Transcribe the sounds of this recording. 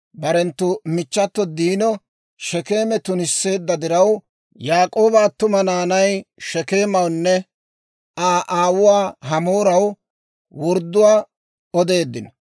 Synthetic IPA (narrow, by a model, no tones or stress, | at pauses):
bɐɾɛnt̪ːʊmɪt͡ʃːɐt̪ːɔd̪iːnɔ | ʃɛke̞ːmɛt̪ʊnɪsːe̞ːd̪ːɐd̪ɪɾɐw | jaːkʼo̞ːbaːt̪ʊmɐnaːnɐjʃɛke̞ːmɐwnːɛ | aːʔaːwʊwaːɦɐmoːɾɐw | wɔɾd̪ːʊwaː | ɔd̪e̞ːd̪ːɪn